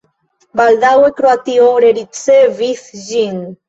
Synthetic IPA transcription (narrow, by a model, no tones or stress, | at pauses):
bald̪awekɾoat̪ioɾeɾit͡seviθʒin